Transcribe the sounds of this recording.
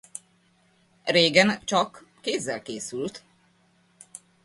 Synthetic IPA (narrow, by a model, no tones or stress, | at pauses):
reːɡɛnt͡ʃɒkː | eːzːɛlkeːsylt̪